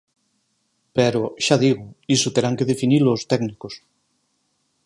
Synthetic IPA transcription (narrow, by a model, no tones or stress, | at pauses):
peɾoʃaðiɣʊisot̪eɾaŋkeðefinilost̪ɛɡnikos